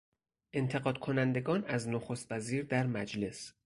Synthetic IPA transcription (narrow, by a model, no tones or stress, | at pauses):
ʔe̞nt̪ʰe̞ɣɒːd̪̥̚kʰo̞nænd̪e̞ɡɒːnæznoxost̪væziːɾd̪æɾmæd͡ʒle̞s